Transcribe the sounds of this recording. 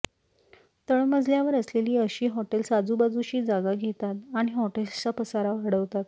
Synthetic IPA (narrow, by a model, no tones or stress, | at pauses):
t̪əɳməd͡zʱljaʋəɾəsleliːəɕiːɦɔʈelsad͡zubad͡zuɕiːd͡zaɡaɡʱet̪at̪aɽ̃iɦɔʈelt͡sapəsaɾaʋəɽəʋt̪at̪